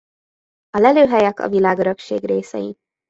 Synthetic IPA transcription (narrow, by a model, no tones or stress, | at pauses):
ɒlɛløːɦɛjɛkɒ̰vilaːɡøɾøkʃḛːɡreːsɛ̰jḭ